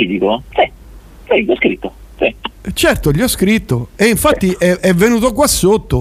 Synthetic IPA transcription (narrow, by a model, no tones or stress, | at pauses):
id̪ikosi | siʎiɔskɾit̪ːosit͡ʃɛrt̪oʎiɔskɾit̪ːoeiɱfat̪ːiʔɛʔɛvːenuːt̪ok̬wasːot̪ːo